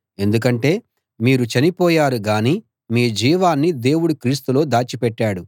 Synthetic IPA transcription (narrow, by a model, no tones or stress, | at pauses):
e̞nd̪uk̬ɐɳʈe̞ː | miːɾut͡ʃɐnipɔːjaːɾuɡaːniː | miːd͡ʒiːʋaːnːid̪e̞ːwuɽukɾiːst̪ulo̞ːd̪aːt͡ʃipɛʈːaːɽu